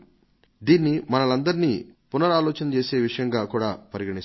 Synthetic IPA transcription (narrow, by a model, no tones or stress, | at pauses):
d̪iːnːimɐnɐlɐnd̪ɐɾiniːpunɐɾaːlɔːt͡ʃɐnɐt͡ʃe̞ːse̞ːʋiʂɐjɐŋɡaːkuːɽaːpɐɾiɡɐɳi